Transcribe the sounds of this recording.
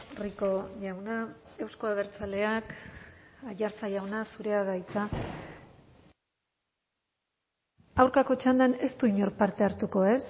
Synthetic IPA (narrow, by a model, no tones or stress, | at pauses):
riko̞ʝawnae̞wsko̞aβ̞e̞ɾt͡sale̞ak | aʝaɾt͡sajawnasuɾe̞aðajt͡sa | awɾkako̞t͡ʃand̪ane̞st̪uiɲo̞ɾpaɾt̪e̞aɾt̪uko̞e̞s